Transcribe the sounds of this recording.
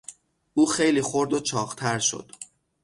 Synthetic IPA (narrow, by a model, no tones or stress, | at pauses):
ʔuːxe̞jliːxo̞ɾd̪ot͡ʃʰɒːɣt̪ʰæɾʃo̞̰d̪̥